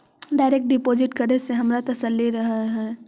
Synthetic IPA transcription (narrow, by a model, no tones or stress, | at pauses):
ɖaːɪɾek̚ʈ̚ɖɪpoːd͡ʒɪʈkəɾeseɦɐmɾat̪ɐsəlːiɾɐɦaɦɛː